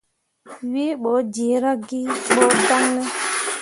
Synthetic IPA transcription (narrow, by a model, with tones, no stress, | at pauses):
wi˦ɓɔ˨˦d͡ʒi˨˦ɾa˦ɡi˦ɓɔ˨˦da˦nːɛ˦